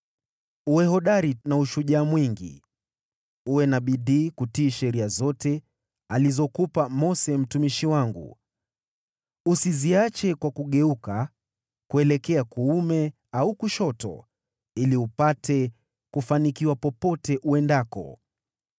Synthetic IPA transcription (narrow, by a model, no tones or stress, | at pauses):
uɛhɔɗaɾinauʃuʄaːmwiŋɡḭ | uwɛnaɓiɗiːkutiːʃɛɾiazɔtɛ | alizɔkupamɔsɛm̩tumiʃiwaŋɡṵ | usiziat͡ʃɛkwakuɠɛuka | kuɛlɛkɛakuumɛ | aukuʃɔtɔ̰ | iliupatɛ | kufanikiwapɔpɔtɛʔuɛndakɔ̰